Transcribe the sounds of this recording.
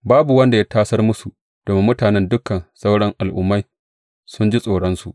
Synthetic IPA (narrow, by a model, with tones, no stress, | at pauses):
baː˦bu˨wɐ˦nda˨ja˦tʰaː˦sɐ˦rmʊ˦su˨ | d̥oː˨me˦mʊ˦taː˨nɛ˦ndʊ˦kɐ˨nsa˦wɽɔ˦ŋʔa˨lʔʊ̰˦mːa˦j | sʊ˦nd͡ʒi˦sʼoː˨ɽɔ˦nsu˨ʔ